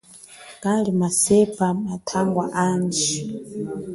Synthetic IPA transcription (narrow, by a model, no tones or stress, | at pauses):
kalimasɛpʼamatʰaŋɡwaʔaːnd͡ʒi